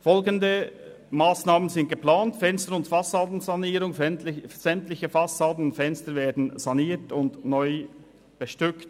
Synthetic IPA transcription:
fɔlɡəndə | maːsnaːmənzɪnt̚ɡ̥əplaːntfɛnstəɾʊntfɑsaːdn̩zɑniːɾʊŋz̥ɛmtlɪçəfɑsaːdn̩ʊntfɛnstəɾveːɐdn̩zɑniːtʊndnɔʏ | b̥əʃtʏkt

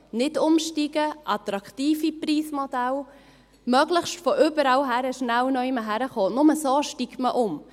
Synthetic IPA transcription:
nɪdʊmʃtiɡ̥əʔɑt̪ɾɑkχtiːfipɾiːsmodæl | mœɡləχʃtfɔʔʏbəɾɑwɦæɾəʃnæwnɔɪməɦæɾəχoːnʊməsoːʃtikməʔʊm

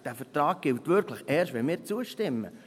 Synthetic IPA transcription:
d̥æfəɾtrɑːɡ̚ɡ̥ɪwtʋʏɾkʰləχɛːɾʃtʋɛnmɪːɾt͡suəʃtɪmːə̰

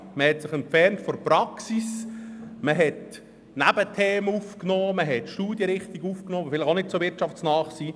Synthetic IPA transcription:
məhɛtsɪχɛnfɛrntfɔɾpɾɑksis | məɦɛt | næbətʰeːməufknoːməɦɛtʃtuːdjəɾɪχt̪iɡufknoːɑbəfɪlɪχonɪtsovɪrt͡ʃɑftsnɑːχsiː

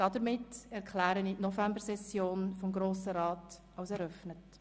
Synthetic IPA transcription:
d̥ɑdəɾmɪtɛʁkχlæːɾənitnɔvæmbəɾsɛsjoːnfɔmɡɾoːsəɾɑːt | ɑwsɛɾœfnət

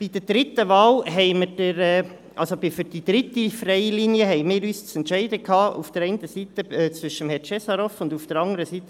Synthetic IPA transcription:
b̥id̥əɾd̥ɾɪt̪əvɑːlɦɛɪməd̥əɾɛː | ʔɑlsobifyɾd̥id̥̪ɾɪtifɾɛɪliːniəɦɛɪmɪːɾyːst͡sɛntʃɛɪdəkʰɑːṵfd̥əɾɛɪntəsit̪əɛːt͡svʏʃəmhɛɾt͡ʃɛsɑɾɔfʊndufd̥əɾɑŋəɾəsiːt̪ə

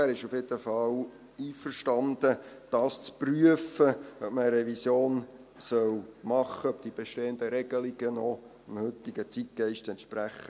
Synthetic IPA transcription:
æːɾɪʃufjed̪əfɑl | iːfərʃtɑnd̪əd̥ɑːst͡spryəfəœp̚məəɾɛvisjoːn | sœwmɑχːəœp̚d̪̥ib̥eʃteːənd̪əɾɛɡ̥əliɡ̥ənɔ | mhʏt̪ːɪɡət͡sit̚kɛɪʃtɛnt̪ʃpɾæχə

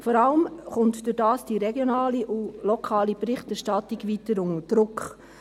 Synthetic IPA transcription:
fɔɾɑləmχʊntd̥ʊɾdɑːsd̥iɾɛɡjonɑːliʔulɔkʰɑːlibɾɪχtɛɾʃtɑtiɡʋitəɾʊŋəd̥ɾʊkχ

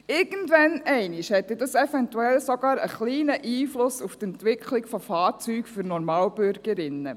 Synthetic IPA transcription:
ɪɡ̥əntʋɛnɛɪnɪʃhɛt̪ːɛdɑsɛfɛntuɛlsɔɡ̥ɑːɾə̰χliːnəʔiːflʊsuft̪ɛntʋɪkʰlɪkfɔfɑːt͡syːkfyɾnɔɾmɑːlbʏɾɡ̥əɾɪnːə

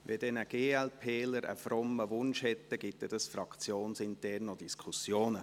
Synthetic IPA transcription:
ʋɛd̥ɛnəɡ̥eːɛlpʰeːləɾə̰frɔmːəʋʊnʃhɛt̪ːəɡ̥ɪt̪ːɛd̥ɑsfrɑkt͡sjoːnsɪntɛrnod̥iskʰusjoːnə

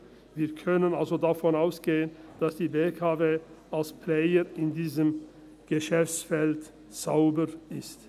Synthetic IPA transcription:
viːɐkʰœnənalzodafɔnaʊsɡ̥eːənd̥asd̥iːbeːkʰaveːʔalspʰleəɪndiːzəm | ɡ̥əʃɛft͡sfɛlt | t͡saʊbəʔɪst

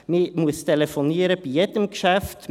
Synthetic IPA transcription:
miːmʊst̪ʰɛləfɔneːɾəpijɛt̪əmkəʃæft̪

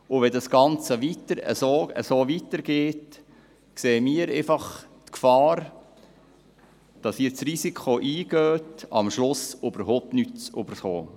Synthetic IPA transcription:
ʊʋɛdɑsɡ̥ɑnt͡səʋitəɾə̰soːə̰soːʋitəɾɡ̥eːt | kseːmiːəɾeɪfɑχtkfɑːɾ | d̥ɑsiːt͡srizikʰχoʔiːɡøːtɑmʃlʊsʊbəɾɦoʊp̚tnytt͡sybəɾχo̰ː

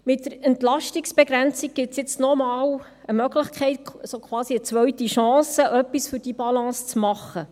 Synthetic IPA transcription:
mɪtdəɾɛntlɑʃtiksb̥ɛɡɾænt͡sik̚ɡ̥ɪtsjɪt͡snɔmɑːl | əmœɡləχkʰχɛɪt̚sokʰwɑːsiət͡sʋœɥtiʃɑ̃ːsəʔœpːisfyɾd̥ibɑlɑ̃ːst͡smɑχːə

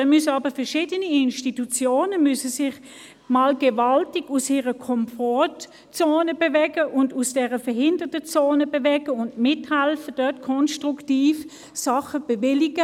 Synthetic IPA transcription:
ɛmysəɑːbəfɛɐʃiːdəniɪnʃtitut͡sjoːnəmysəsɪχ | maːlɡ̥evɑltɪɡ̥usiːʁəkʰɔmfɔt | t͡soːnəbevɛɡəʔʊndusd̥ɛʁəfɛɐhɪndətət͡soːnəbevɛɡ̥əʊndmɪthɛlfəd̥œɐtkʰɔnʃtʁuktiːf | sɑχəb̥evɪliɡ̥ə

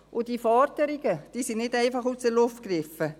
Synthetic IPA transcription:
ʔʊd̥iːfɑɾtəɾɪɡ̥əd̥iːsinɪdæɪfɑχuːsəlʊftkrɪfə

